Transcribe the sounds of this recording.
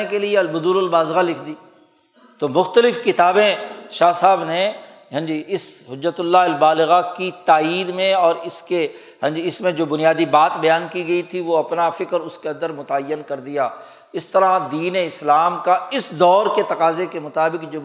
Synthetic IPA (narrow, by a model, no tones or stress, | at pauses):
ekelieɐlbʊd̪uːɾʊlbaːzɣalɪkʰd̪iː | t̪omʊxt̪əlɪfkɪt̪aːbẽʃaːɦsaːbne | ɦɐ̃ɲd͡ʒiɪsɦʊd͡ʒːət̪ʊlːaɦɐlbaːlɪɣakit̪aːiːd̪mẽɔːɾɪske | ɦɐ̃ɲd͡ʒiɪsmẽd͡ʒoːbʊnijaːd̪ibaːt̪bɐjaːnkiɡɐit̪ʰiʋoɐpnafɪkəɾʊskeɐ̃nd̪əɾmʊt̪aːəjːənkɐɾd̪ijaː | ɪst̪ɐɾad̪iːneɪslaːmkaɪsd̪ɔːɾket̪ɐqaːzekemʊt̪aːbɪkd͡ʒoː